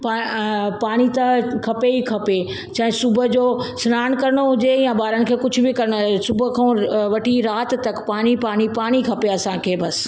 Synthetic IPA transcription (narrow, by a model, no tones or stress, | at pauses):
paːpaːɽ̃it̪ɐkʰɐpeikʰɐpe | t͡ɕɐ̃ɦɪ̃sʊbʱə̆d͡ʑoːsɪnaːñkɐɾɽ̃oɦʊd͡ʑeãbaːɾəñɪ̆kʰeːkʊd͡ʑʱʊ̆bɪkɐɾɪɽ̃osʊbʱkʰãʋɐʈʰiɾaːt̪t̪ːɐkpaːɽ̃ipaːɽ̃ipaːɽ̃ikʰɐpeɐsãkʰeːbɐs